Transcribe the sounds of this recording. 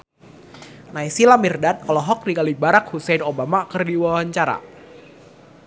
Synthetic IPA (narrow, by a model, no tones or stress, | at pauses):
naisilamirdat̪̚ɔlɔɦɔk̚dikalibaɾak̚husɛjnobamakərdiwawaɲt͡ʃaɾa̰